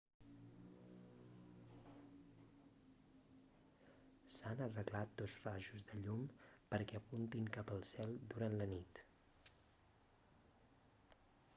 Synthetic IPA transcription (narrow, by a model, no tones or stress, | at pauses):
sanərəɣlat̪̚d̪ozraʒuzd̪əʎumpəɾkɛəpunt̪iŋkapəlˠsɛlˠd̪uɾanlənit̪